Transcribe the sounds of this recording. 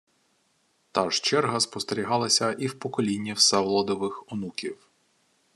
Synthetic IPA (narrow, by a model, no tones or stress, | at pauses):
t̪ɑʒt͡ʃɛrɦɐspɔst̪eɾʲiɦɑlˠɐsʲɐʔiwpɔkɔlʲinʲːiwsɛʋlˠɔd̪ɔʋɪxɔnukʲiw